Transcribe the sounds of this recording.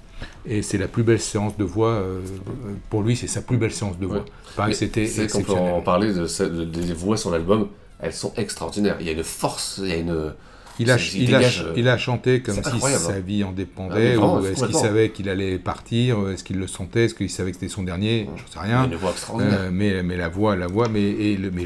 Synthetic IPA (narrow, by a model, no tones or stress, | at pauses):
esɛlaplybɛlseɑ̃sd̪əvwaø | puʁlɥisɛsaplybɛlseɑ̃sd̪əvwa | paʁɛkset̪ɛɛɛkskɔ̃ɛpøsɔ̃paʁled̪əsɛd̪əd̪evwasɔ̃nalbɔm | ɛ̰lsɔ̃ʔɛkst̪χaɔʁd̪inɛʁḭljaynfɔʁsijayn | ilaiaailaʃɑ̃t̪ekɔmsiwajasaviɑ̃d̪epɑ̃d̪ɛɛskɛkilssavɛkilalɛpaʁt̪ʰiʁɛskilːəsɑ̃t̪ɛɛskəilsavɛkse̥t̪ɛsɔ̃d̪ɛʁnjeʒəsɛʁjɛ̃nvwaɛkst̪χɔʁiøɛmɛmɛlavwalavwamɛːlmɛ